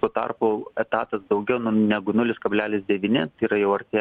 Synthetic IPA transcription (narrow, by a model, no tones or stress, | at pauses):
t̪oːt̪ɐ̰rpʊɛt̪ɑːt̪ɐsd̪ɒʊɡʲɛʊnʊnʲæɡʊnʊlʲɪskɐbʲlʲæːlʲɪsd̪ʲɛʋʲiːnʲɪt̪iːɾɐjɛʊɐɾʲt̪ʲeː